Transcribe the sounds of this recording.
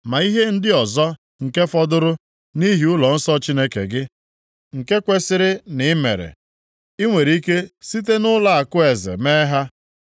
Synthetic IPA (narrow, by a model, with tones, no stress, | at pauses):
ma˨i˦ɦe˦n̩˦dɪ˦ɔ˨zɔ˦ | ŋ̩˨ke˦fɔ˦dʊ˦ɾʊ˦ | ni˦ɦi˨ʊ˦lɔ˨n̩˦sɔ˦t͡ʃi˦ne˦kḛ˨ɡɪ˦ | ŋ̩˨ke˦kʷe˦sɪ˦ɾɪ˦nɪ˨˦mḛ˨ɾḛ˨ | i˦ŋʷe˨ɾi˦ke˦si˦t̬e˦nʊ˦la˦a˨kʊ˦e˨zḛ˨me˦ɦa˦